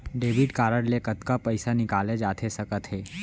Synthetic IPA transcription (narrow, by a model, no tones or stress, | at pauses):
ɖeːʋɪʈkaːɾəɽlekət̪kapəɪsanɪkaːled͡ʒaːt̪ʰesəkət̪ɦeː